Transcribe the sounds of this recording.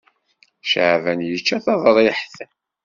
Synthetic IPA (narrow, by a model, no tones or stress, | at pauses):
ʃʕvænjət͡ʃːæθɑðˤəɾˤiħθæ